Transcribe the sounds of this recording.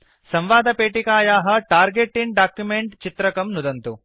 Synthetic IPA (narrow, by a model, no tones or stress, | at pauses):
sɐ̃mʋaːd̪ʱɐpeːʈikaːjaːɦɐ̆ʈaːɾɡeʈːinɖaːkjumeɳʈt͡ʃit̪ɾɐkɐmnud̪ɐnt̪u